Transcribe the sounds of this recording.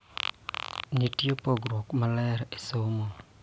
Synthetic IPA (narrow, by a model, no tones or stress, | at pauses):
ɲitjopoɡɾɔkmalɛɾesomo